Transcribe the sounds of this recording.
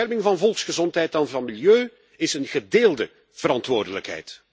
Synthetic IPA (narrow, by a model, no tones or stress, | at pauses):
ɛrmɪŋvɑnvɔlˠksxəzɔntɦɛjtanvɑnmiljøː | ɪsənɣədeːlˠdə | v̥əɾɑntʋoːrdələkɦɛ̰jt